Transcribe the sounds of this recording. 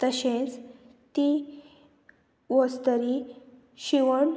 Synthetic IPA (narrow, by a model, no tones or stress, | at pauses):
t̪əɕẽt͡s | t̪i | ʋɔst̪əɾi | ɕiʋəɳ